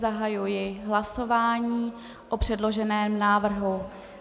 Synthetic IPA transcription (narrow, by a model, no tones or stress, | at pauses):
zaɦajujɪɦlaso̞vaːɲiː | ʔopr̝̥ɛdlo̞ʒɛnɛːmnaːvr̩ɦu